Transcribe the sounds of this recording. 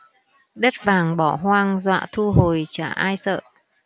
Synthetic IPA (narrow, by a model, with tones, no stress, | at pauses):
ɗə˦˥t̚vaː˨˩ŋɓɔ˧˩ɦwaː˧ŋzwa̰ː˧˨t̪ʰu˧ɦo˨˩jt͡ɕaː˧˩ʔaː˧jsə̰ː˧˨